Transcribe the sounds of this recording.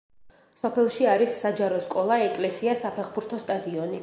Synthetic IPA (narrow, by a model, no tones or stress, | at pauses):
sɔpʰɛlˠʃiaɾisːad͡ʒaɾɔskʼɔlˠaɛkʼlɛsiasapʰɛχbuɾt̪ʰɔst̪ʼad̪iɔni